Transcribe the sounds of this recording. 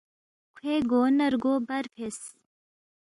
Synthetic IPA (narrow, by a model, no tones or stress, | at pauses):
kʰeːɡoːnɐɾɡoːbɐɾpʰes